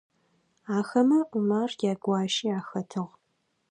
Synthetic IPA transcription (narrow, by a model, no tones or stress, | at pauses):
aːxɐmɐʔumaːrjaːɡʷɑːʃiːaːxɐtʰɨʁ